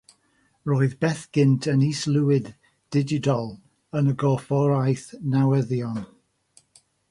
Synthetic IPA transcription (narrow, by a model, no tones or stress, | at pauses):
roːɨðbɛθɡ̥ɪntʰəniːslˠuwɪd | d̥ɪd͡ʒɪtɔlˠ | ənəɡɔfɔɾajθnawɛðjɔn